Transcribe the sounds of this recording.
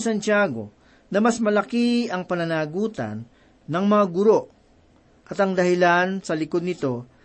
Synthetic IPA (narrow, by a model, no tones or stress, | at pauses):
sɐnt͡ʃaːɡo̞̰ | nɐmɐsmɐlɐkiɐŋpɐnɐnaːɡuːt̪ɐ̰nː | ɐŋmɐŋaɡʊɾo̞ʔ | ʔɐt̪ɐŋd̪ɐhɪlansɐlɪko̞d̪̚nɪt̪o̞